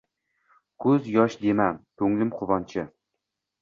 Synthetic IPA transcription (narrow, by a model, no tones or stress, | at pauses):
kʰɵzjɒʃd̪emant̪ʰɵŋlɪmqʰʊbɒnt͡ʃʰɪ